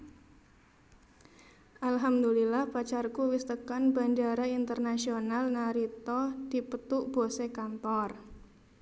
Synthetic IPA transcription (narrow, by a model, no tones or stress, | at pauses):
ʔalɦamd̪ulilahpat͡ʃarkuwɪst̪əkanbandaɾaint̪ərnasionalnaɾit̪ɔd̪̥ipət̪uʔb̥osekant̪ɔr